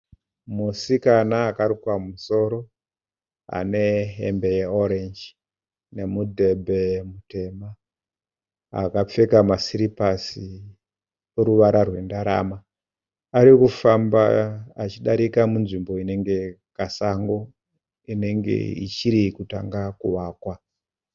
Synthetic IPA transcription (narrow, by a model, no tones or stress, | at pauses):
musikanaːkaɾikwamuso̞ɾo̞ | a̰ne̞ɦḛmbe̞jeoɾend͡ʒ | ne̞mudʱe̞bʱe̞mute̞ma | a̰kap͡fe̞kamasiɾipasi | oɾuʋaɾarwe̞ndaɾa̰maː | ɾikufambaːt͡ʃiɗaɾikamunʐimbo̞ine̞ŋɡe̞ | kasaŋɡo̞ | ine̞ŋɡḛḭt͡ʃiɾikutaŋɡakuwaːkwa